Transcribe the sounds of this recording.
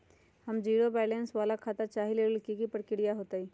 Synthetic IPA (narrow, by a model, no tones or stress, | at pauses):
həmd͡ʒiːɽobɛːlẽnsʋaːlakʰaːt̪at͡ʃaːɦileəlkikipəɽkɪɽijaɦoːt̪aɦiː